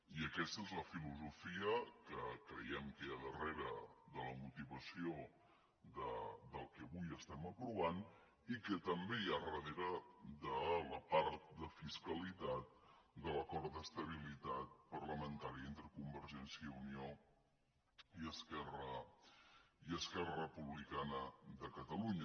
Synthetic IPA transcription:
iəkɛst̪əezləfiluzufiəkəkɾə̰jɛmkeəðəreɾəðələmut̪iβəsio | d̪əd̪əlˠkɛəβujəst̪ɛməpɾuβan | ikət̪əmbejarəðeɾəd̪ələpaɾt̪̚d̪əfiskəlit̪at̪̚d̪ələkɔɾt̪d̪əst̪əβ̞ilit̪at̪̚pərləmənt̪aɾiəent̪ɾəkumbəɾʒɛnsiəiunio | iəskɛrə | iəskɛrərəpuβlikanəðəkət̪əluɲə

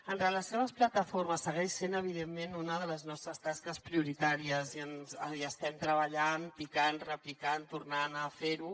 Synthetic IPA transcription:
ənrələsealβəsplət̪əforməsːəɣ̞ɛʃsenəβ̞iðemːenunəðələznɔst̪ɾəst̪askəspɾiuɾit̪aɾiəziənzəiəst̪ɛmt̪ɾəβəʎanpikanrəplikant̪urnanəfeɾu

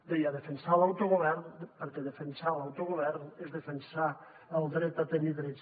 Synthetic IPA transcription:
d̪ejaðefensalawt̪oɣoβɛɾnpəɾkeðefensalawt̪oɣoβɛɾnezðefensa | əlˠd̪ɾɛt̪at̪eniðɾɛ

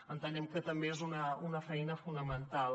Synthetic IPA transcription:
ənt̪anemkət̪ɐmbeezunɐunɐfɐinɐfunəmənt̪al

